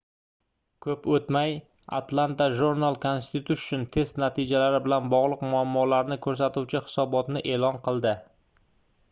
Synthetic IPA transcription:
kʰɵpɵt̪maj | a̰t̪lˠant̪aʒuɾnalˠkʰonst̪ʰut̪ʰuʃʊ̥t͡ʃʊnt̪ʰe̞st̪nat̪ʰid͡ʒalaɾɪbɪlanbɒʁlˠɨqmʊamːɒlaɾnɪkʰɵɾs̬at̪uwt͡ʃʰɪhɪ̥sɒbɒt̪nɪʔe̞lɒnqʰɨlˠd̪ɪ

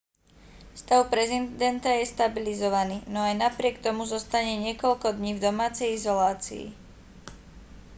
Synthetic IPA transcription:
fst̪aʊpɾɛzind̪ɛnt̪ajɛst̪abilizɔʋaniːnɔajnapɾɪɛkt̪ɔmuzɔst̪aɲɛɲɪɛkɔʎkɔd̪ɲiːvd̪ɔmaːt͡sɛjizɔlaːt͡sḭḭ

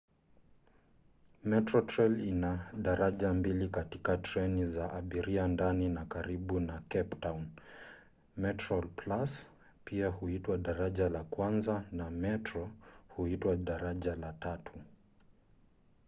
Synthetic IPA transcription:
mɛtɾɔtɾɛlinaɗaɾaʄambilikatikatɾɛnizaʔaɓiɾiandaninakaɾiɓunakɛptaun | mɛtɾɔlplas | piahuitwaɗaɾaʄalakwanzanamɛtɾɔhuitwaɗaɾaʄalatatʰu

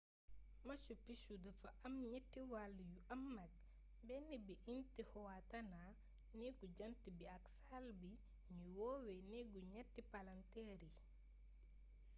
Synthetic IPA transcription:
mɐsupiʃudɐfɐʔɐmɲɛtːiwalːjuʔɐmːɐk̚ | bɛnibiʔintihɔwatɐna | nɛɡuɟɐntibiaksalbi | ɲiwoːwenɛɡuɲɛtːipalantɛɾi

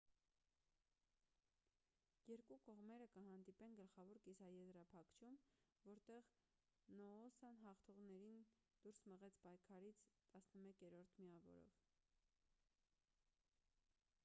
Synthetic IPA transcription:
jɛɾkukɔʁmɛɾəkəɦɑnd̪ipɛnɡəlχɑvɔɾkisɑjɛzɾɑpʰɑkʰt͡ʃʰumvɔɾt̪ɛʁ | nɔːsɑnɦɑχt̪ʰuʁnɛɾin | d̪̥uɾsməʁɛt͡sʰpɑjkʰɑɾit͡sʰt̪ɑsnəmɛkjɛɾɔɾt̪ʰmiɑvɔ̰ɾɔ̰v

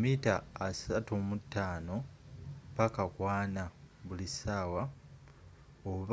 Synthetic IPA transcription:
mitaːsatumutːaːno̞ | pakakwaːnaβulisaːwa | oβ

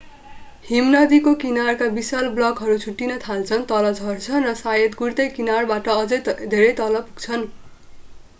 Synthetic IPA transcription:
himnʌd̪ikokinarkabisalblʌkɦʌɾut͡sʰuʈːinʌt̪ʰalt͡sʰʌnt̪ʌlʌd͡zʱʌrt͡sʰʌnrʌsajʌt̪ɡurt̪ʌjkinarbaʈʌʌd͡zʌjd̪ʱeɾʌjt̪ʌlʌpuɡ̚t͡sʰʌn

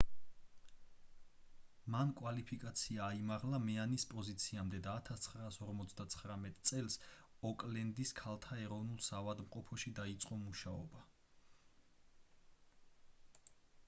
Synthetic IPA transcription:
mankʼwalipʰikʼat̪sʰiaːimaʁlamɛanispʼɔzit̪sʰiamd̪ɛd̪aːt̪ʰast̪sʰχɾaːsɔɾmɔt̪sʰd̪at̪sʰχɾamɛt̪ʼt̪sʼɛlˠs | ɔkʼlɛnd̪iskʰalˠt̪ʰaɛɾɔvnulˠsavad̪mqʼɔpʰɔʃid̪ait̪sʼqʼɔmuʃaɔba

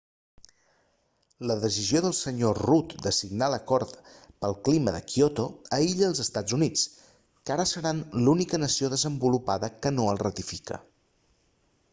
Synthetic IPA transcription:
ləðəs̬izioðəlˠsəɲorut̪d̪əsiɡnaləkɔɾt̪pəlˠkliməðə̰kiot̪oəiʎəːlˠzəst̪ad͡zunit͡s | kaɾəsəɾanlunikənəsioðəzəmbulupaðəkənoəlˠrət̪ifikə̰

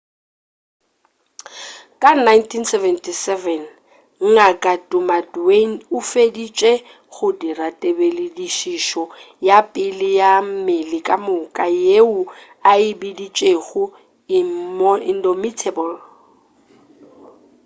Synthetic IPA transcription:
kʼanajntʰinsɛvɛntʰisɛvɛn | ŋ̩ŋakʼatʼʊmadwen̩ʊfedit͡ʃʼe | ɣʊdiratʼebelɪdiʃiʃɔ | japʼɪlɪjamɪlɪkʼamʊkʼajeʊ | aɪbidit͡ʃʼeɣʊ | ɪndɔmitʰɛbɔl

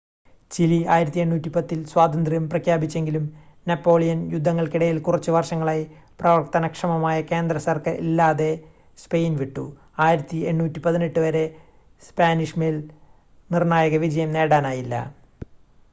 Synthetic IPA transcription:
t͡ɕiliaːjiɾɐt̪ːieɳːuːtːipɐt̪ːilswaːd̪ɐnd̪rjɐmprɐkʰjaːbit͡ɕːe̞ŋɡilumnɐpːo̞ːɭijɐnjud̪ʱːɐŋːɐɭkiɽɐjilkurɐt͡ɕːɨʋɐrʂɐŋːɐɭaːj | prɐʋɐrt̪ɐnɐkʂɐmɐmaːjɐke̞ːnd̪rɐsɐrkɐrʔḭlːaːðe̞ | spe̞jnʋiʈːṵ | aːjiɾɐt̪ːieɳːuːtːipɐðineʈːɨʋɐɾe̞ | spaːniʂmel | nirnaːjɐɣɐʋid͡ʑɐjɐmne̞ːɽaːnaːjilːɐ̰

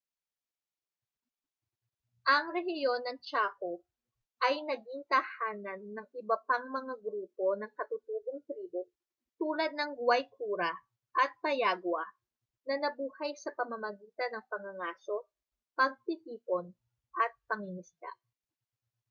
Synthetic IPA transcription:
ʔɐŋɾɛhɪjo̞nːɐŋt͡ʃaːho | ʔɐjnɐɡiŋkɐhaːnɐnːɐŋʔɪbɐpaŋmɐŋaɡɾuːpo̞nɐŋkɐt̪ʊt̪uːɡoŋt̪ɾiːbo | t̪uːlɐd̪̚nɐŋɡʊwajkʰuːɾɐ | ʔɐt̪̚pɐjaːɡwɐ | nɐnɐbuːhɐjsɐpɐmɐmɐɡiːt̪ɐnɐŋpɐŋɐŋaːso̞ | pɐɡ̚t̪it̪iːpo̞n | ʔɐt̪̚pɐŋɪnɪst̪a̰

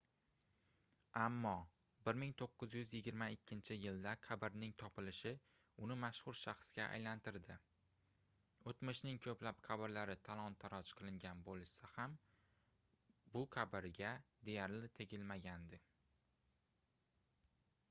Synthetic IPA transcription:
amːɒ | bɪɾmɪŋt̪ʰoqːɨzjʏzjɪɡʲɪɾmaɪkʲːɪnt͡ʃʰɪjɪld̪aqʰabɪɾnɪŋt̪ʰɒpʰɪlɪʃɪ | ʊnɪmaʃχʊɾʃaχsɡʲaʔa̰jlant̪ɪɾd̪ɪ | ot̪mɪʃnɪŋkʰɵplapqʰabɪɾlaɾɪt̪ʰalˠɒnt̪ʰaɾɒt͡ʃqʰɨlˠɪŋɡʲanbolˠʃsaham | bʊqʰabɪɾɡʲad̪e̞jaɾlɪt̪ʰe̞ɡʲɪlmaɡʲand̪ɪ

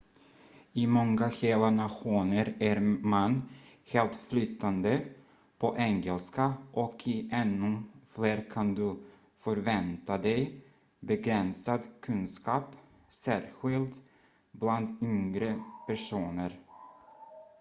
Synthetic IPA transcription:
ɪmɔŋːaɧeːlanaɧuːnəɾæɾmanːheːlt̪flʏt̪ːand̪ə | pʰɔʔɛŋɛlskaʔɔkʰɪʔɛnːɵfleːɾkʰand̪ɵ | fœɾvɛnt̪ad̪ɛj | bɛɡɾɛnsad̪kʰɵnskɑːp | sæːɾɧɪlt̪ | bland̪ʏŋɾəpʰæʂuːnəɾ

